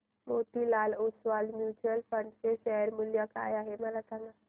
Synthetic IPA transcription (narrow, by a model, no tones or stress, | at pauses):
mot̪ilalosʋalmjut͡ʃuəlfəɳɖseʃɛɦəɾmuljəka̰jaɦeməlasãŋɡa